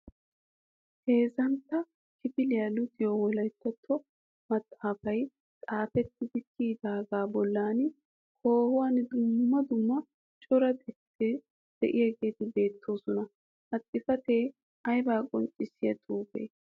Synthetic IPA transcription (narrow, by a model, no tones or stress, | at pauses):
he̞ːzɐnt̪ːɐ | kɪpɪlɪjɐlʊd̪ɪjowɔlɐjt̪ːɐt̪ʰːɔ | mɐt̪ʼːaːfɐj | t͡sʼaːfɛt̪ːɪd̪ɪkːiːd̪aːɡaːbɔlːaːn | koːhʊwaːnd̪ʊmːɐd̪ʊmːɐ | t͡ʃʼɔɾɐd̪ɛt̪ːɛ | d̪̥ɛʔɪjɛɡe̞ːt̪ɪbe̞ːt̪ʰːo̞ːsɔnɐ | hɐt̪ʼːɪfɐt̪eː | ʔɐjbaːkʼɔnt͡ʃʼːɪsːɪjɐt̪ʼuːbḛː